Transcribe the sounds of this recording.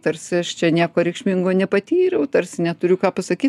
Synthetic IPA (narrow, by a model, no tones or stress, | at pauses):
t̪ɐrʲsʲɪɐʃt͡ʃʲɛnʲiɛkoːɾʲɛɪkʃʲmʲiŋɡoːnʲɛpɐt̪ʲiːɾʲɛʊt̪ɐɾʲsʲɪnʲɛt̪ʊɾʲʊkɑːpɐsɐkʲiːt̪